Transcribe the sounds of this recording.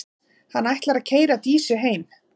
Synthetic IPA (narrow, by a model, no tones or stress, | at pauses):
hanːajht̪laɾaðcʰeːjɾat̪iːsʏɦeːjm